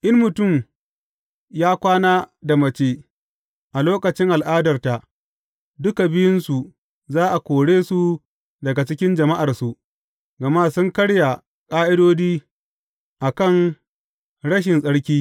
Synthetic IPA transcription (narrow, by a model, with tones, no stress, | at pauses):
ʔɪ˦nmʊ˨tʊ˦˨m | jaː˦kʷaː˦naː˦da˨mɐ˨t͡ʃeː˦ | ʔa˨loː˦kɐ˨t͡ʃɪ˦ŋʔa˨lʔaː˦dɐ˨rta˨ʔ | dʊ˦ka˨bɪ˦jɪ˦nsu˨ | zaː˦ʔa˨kʷoː˨ɽeː˦su˨ | dɐ˨ɡa˨t͡ʃɪ˦kʲɪ˦nd͡ʒɐ˨ma˦ʔa˨rsu˨ʔ | ɡɐ˨ma˦sʊ˦ŋkɐ˦ɽja˨ | kʼaː˦ʔɪ˦doː˦d͡ʒiː˦ | ʔa˨kɐ˦˨ŋ | ɽɐ˦ʃ̬ɪ˨nsʼɐ˦ɽkʲiː˦